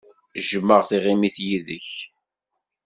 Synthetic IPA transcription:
ʒəmːəʁθiʁimiθjiðəç

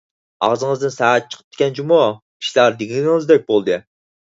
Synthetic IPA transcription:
ɑ̰ʁzɨŋɨzd̪ɨnsææt̪̚t͡ʃʰə̥qʰəp̚d̪̥ʰɪ̥kʲɛnt͡ʃʰimu | kʲʰi̥ʃlæɾd̪eɡʲilʲɡɪŋɨzd̪ɛk̚ʲbolˠd̪ɨ

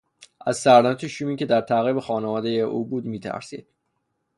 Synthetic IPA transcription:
ʔæzsæɾnæt̪ʰeʃuːmiːcʲʰe̞d̪æɾt̪ʰæɣiːbexɒːnevɒːd̪ejeʔuːbuːd̪miːt̪ʰæ̰ɾsḭːd̪̥̚

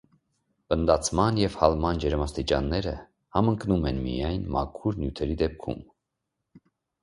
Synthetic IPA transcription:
pənd̪ɑt͡sʰmɑnjɛvhɑlmɑnd͡ʒɛɾmɑst̪it͡ʃɑnːɛɾə̰ | hɑməŋknumɛnmḭjɑjnmɑ̰kʰuɾnjut̪ʰɛɾid̪ɛp̚kʰṵm

